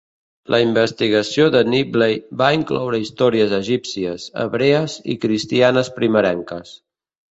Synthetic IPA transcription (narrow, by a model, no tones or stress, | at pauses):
lʔəimbəst̪iɣ̞əsioðəniblejbaiŋklɔ̰wɾəist̪ɔɾiəzəʒipsiəzə̰βɾeəzḭkɾist̪ianəspɾiməɾɛŋkəs